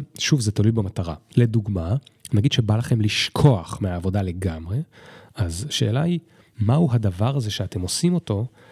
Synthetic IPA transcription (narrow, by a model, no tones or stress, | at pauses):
ʃuvzetalujbamataʁa̰le̞duɡma | naɡid̥ʃebalaχe̞mliʃkʰo̞aχmeaːvo̞dale̞ɡamʁe̞azʃe̞ːlai | mahuɦadavaʁaze̞ʃeate̞mo̞simo̞to̞